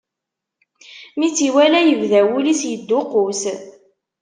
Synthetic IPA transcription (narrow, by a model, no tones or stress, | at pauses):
mit͡sːiwælæjəvðæwulisjəd̪ːʊqʊs